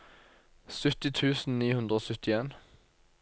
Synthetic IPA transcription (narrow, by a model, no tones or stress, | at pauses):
sʉt̪ɪt̪ʰʉːsn̩niːhʉnd̪ʁoːsœt̪ɪeːn